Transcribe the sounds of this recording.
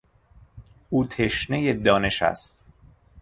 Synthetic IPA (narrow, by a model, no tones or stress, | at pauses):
uːt̪ʰeʃnejed̪ɒːne̞ʃæ̰st̪